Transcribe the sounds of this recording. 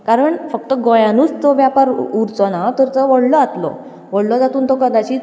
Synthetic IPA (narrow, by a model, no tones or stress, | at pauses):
kaɾəɳfək̚t̪əɡɔjãnuːt͡st̪oʋjapaɾuɾt͡sɔnat̪əɾt̪əʋəɽlɔat̪lɔ̰ | ʋəɽlɔd͡zat̪uːnt̪okəd̪at͡ɕiː